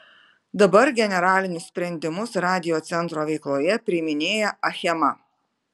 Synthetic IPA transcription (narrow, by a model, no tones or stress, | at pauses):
d̪ɐbɐɾɡʲɛnʲɛɾɑːlʲɪnʲʊssʲpʲɾʲɛnʲd̪ʲɪmʊsɾɑːd̪ʲɪjoːt̪sʲɛnt̪ɾoːʋʲɛɪklˠoːjɛpʲɾʲɪmʲɪnʲeːjɛʔɐxʲɛmɐ